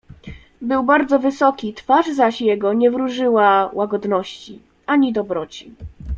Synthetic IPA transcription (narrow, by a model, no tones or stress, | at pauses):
bɘwbaɾd̪zɔvɘsɔkʲit̪faʐzaɕjɛɡɔɲɛvɾuʐɘwawaɡɔd̪nɔɕt͡ɕi | ʔaɲid̪ɔbɾɔt͡ɕi